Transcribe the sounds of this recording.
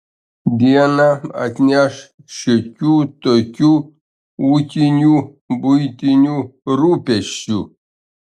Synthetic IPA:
d̪ianaa̰t̪njaʂ | ɕekʲut̪okʲu | wukʲinu | bujt̪inʲuɾupeɕu

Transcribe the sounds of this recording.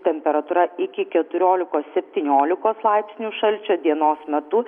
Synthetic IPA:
t̪ʲɛmʲpʲɛɾɐt̪uːɾɐɪkʲɪkʲɛt̪ʊɾʲoːlʲɪkoːssʲɛpʲt̪ʲiːnʲoːlʲɪkoːslˠɐˑɪpʲsʲnʲuːʃɐlʲt͡ʃʲoːd̪ʲiɛnoːsmʲɛt̪ʊ

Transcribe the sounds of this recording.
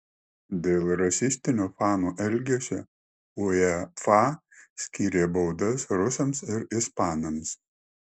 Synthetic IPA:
d̪ʲeːlˠɾɐsʲɪsʲt̪ʲɪnʲuːfɑːnoːʔɛlʲɡʲesʲɛ | ʊɛfɑ | sʲkʲiːɾʲeːbɐʊd̪ɐsɾʊsɐmsɪɾɪspɑːnɐms

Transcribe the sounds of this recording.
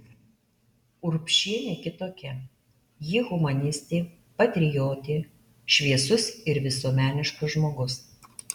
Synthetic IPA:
ʊɾpʲʃʲiɛnʲeːkʲɪt̪oːkʲɛ | jiːɣʊmɐnʲɪsʲt̪ʲeː | pɐt̪ʲɾʲɪjoːt̪ʲeː | ʃʲʋʲiɛsʊsɪɾʋʲɪsuɔmʲæːnʲɪʃkʊsʒmoːɡʊs

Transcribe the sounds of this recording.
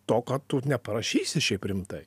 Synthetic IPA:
t̪oːkɐtt̪ʊnʲɛpɐɾɐʃʲiːsʲɪʃʲɛɪpɾʲɪmt̪ɐɪ

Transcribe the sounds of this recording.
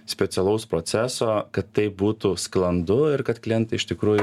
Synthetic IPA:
sʲpʲɛt̪sʲɛlˠɐʊspɾoːsʲæːsoːkɐt̪ːɐɪp̚buːt̪usklˠɐnd̪ʊɪɾkɐt̪klʲɛnʲt̪ʲɪɪʃt̪ʲɪkɾuːjʊ

